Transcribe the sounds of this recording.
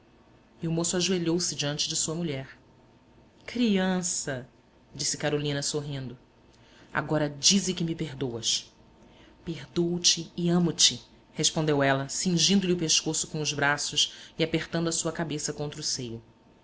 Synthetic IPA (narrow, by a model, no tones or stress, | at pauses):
mewmosʊaʒueʎowsɪd͡ʒiɐ̃nt͡ʃɪd͡ʒɪsuɐmuʎɛɾ | kɾiɐ̃sɐ | d͡ʒisɪkaɾolĩnɐsoɦĩnd̪ʊ | a̰ɡɔɾɐd͡ʒizɪkɪmɪpeɾd̪owɐs | peɦd̪ot͡ʃɪːɐ̃mʊt͡ʃɪ | heʃpõnd̪ewɛlɐsĩŋʒĩnd̪ʊlɪʊpeʃkosʊkõʊzbɾasʊsiapeχt̪ɐ̃nd̪ʊɐsuɐkabesɐkõnt̪ɾʊsejʊ